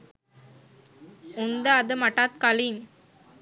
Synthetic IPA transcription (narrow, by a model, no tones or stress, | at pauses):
ʊnd̪ɐːðɯmɐʈːaːt̪̚kɐlɪm